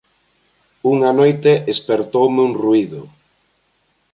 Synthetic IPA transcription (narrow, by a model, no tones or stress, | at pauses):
uŋanojt̪eespeɾt̪owmɪuŋruiðʊ